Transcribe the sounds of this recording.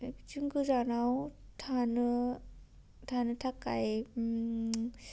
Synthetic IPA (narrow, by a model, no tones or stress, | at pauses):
d͡ʒɯŋɡɯzanawtʰanɯ | tʰanɯtʰaka̰j